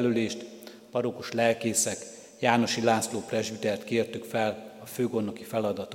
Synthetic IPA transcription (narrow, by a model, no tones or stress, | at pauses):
løleːʃt̪ | pɒɾokoʃlɛlkeːsɛk | jaːno̞ʃilaːsloːprɛʒbid̪ɛrt̪keːrt̪ykfɛlɒføːɡo̞nːo̞kifɛlɒd̪ɒt̪o